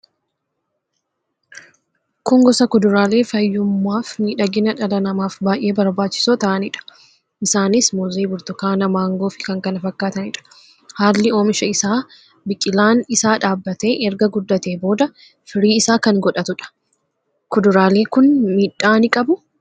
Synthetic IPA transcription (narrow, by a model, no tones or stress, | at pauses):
kʊŋɡɔsɐkʊd̪ʊɾaːle̞ːfɐjːʊmːaːfmiːᶑɐɡɪnɐᶑɐlɐnɐmaːfbaːjʔe̞ːbɐɾbaːt͡ʃːɪ̥soːt̪ɐʔɐnɪᶑɐ̥ | ʔɪsaːnɪsmɔziːbʊɾt̪ʊkaːnɐmaːŋɡoːfɪ̥kɐŋkɐnɐfɐkːaːt̪ɐnɪᶑɐ̥ | haːlːɪo̞ːmɪʃɐɪsaː | bɪkʼːɪlaːnɪsaːᶑaːbːɐt̪e̞ːʔɛɾɡɐɡʊd̪ːɐt̪e̞ːbo̞ːd̪ɐ | fɪɾiːɪsaːkɐŋɡɔᶑɐt̪ʊᶑɐ̥ | kʊd̪ʊɾaːle̞ːkʊnmiːᶑaːnɪkʼɐbʊ